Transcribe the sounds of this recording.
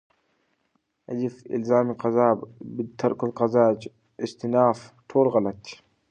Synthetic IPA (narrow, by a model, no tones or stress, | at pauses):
ʔad͡ʒifʔɪ̰lzaːmiqɑzaːbbit̪ʰːɑɾˤkalqɑzaːd͡ʒ | ʔɪst̪ɪnaːft̪ʰoːlɣalat̪